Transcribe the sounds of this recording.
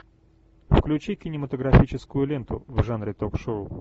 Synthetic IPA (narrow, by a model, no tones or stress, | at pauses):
fklʲʉt͡ɕikʲɪnʲɪmət̪əɡɾɐfʲit͡ɕɪskʊjʊlʲent̪ʊ̰vʐanɾʲɪt̪okʂoʊ